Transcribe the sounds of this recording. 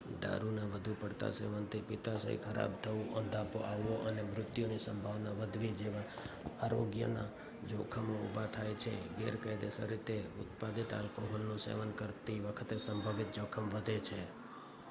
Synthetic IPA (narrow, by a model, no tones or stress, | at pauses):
d̪a̰ɾuneʋəd̪ʱupəɽt̪a̰sḛʋənt̪ipɪt̪asə̰ɦḭkʰəɾa̰b̚t̪ʰəũʔənd̪ʱapoʔaʋːoʔənemɾʊt̪jonisəmbʱaʋnaʋəd̪ʱʋid͡ʒeʋa | aɾoɡjə̰na̰ | d͡ʒokʰəmoṵbʱat̪ʰajt͡ʃʰḛɡɛɾkajd̪esə̰ɾit̪eʊt̪pad̪it̪a̰lkoɦolnũsḛʋənkəɾt̪iʋəkʰət̪esəmbʱəʋɪt̪̚d͡ʒokʰəmʋəd̪ʱet͡ʃʰe